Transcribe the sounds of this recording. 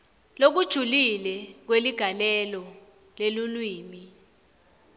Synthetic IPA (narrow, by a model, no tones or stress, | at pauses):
lok̬ud̥ʒ̥ʱulilɛk̬weliɡ̥ʱalɛlɔ | lelulwiːmi